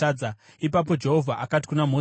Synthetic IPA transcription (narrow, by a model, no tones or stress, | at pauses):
aːd͡za | ipap̬o̞d͡ʒe̞ɦo̞vʱaʔakati̥kunamo